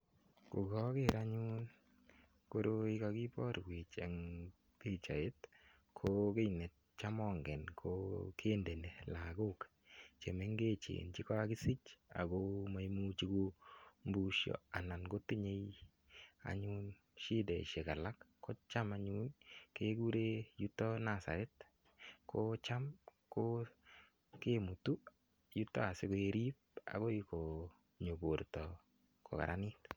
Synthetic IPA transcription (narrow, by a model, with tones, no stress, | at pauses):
ko˨ɡɔ˦keɾa˦ɲu˦n | ko˦ɾo˦i˦ka˧ki˦pɔ˦ɾɡwi˨t͡ʃɛ˨ŋ | ti˦t͡ʃa̰˨e˦t | kʰoke˦jne˨t̚t͡ʃamɔŋɡɛ˨nkʰokʰe˦nde˨ne˨la˨ɡo˦k | t͡ʃe˨me˦ŋɡe˦t͡ʃḛ˨nt͡ʃi˦ka˦a˦ki˦si˦t͡ʃa̰˨ko˦ma˦jmu˦t͡ʃi˦ko˦mbu˦ʃjo̰a˨na˨nɡo˦tːi˦ɲe˦j | a̰˨ɲun | ʃi˦dɛ˨ʃe˨ka˨la˦kːɔ˦t͡ʃa˦ma˦ɲunke˦ɡu˦ɾe˦ju˦tːɔ˦na˨sa̰˨ɾɛ˦t̚ | kot͡ʃa˦mko | ke˦mu˨tu˦ | ju˦tːɔ̰˦a˨sɪ˦ko˨e˨ɾi˦p̚a̰˨ɡo˦iko˨ | ɲo˨bo˨ɾtɔ˨ | ko̰˨ka̰ɾʔa˦ni˦t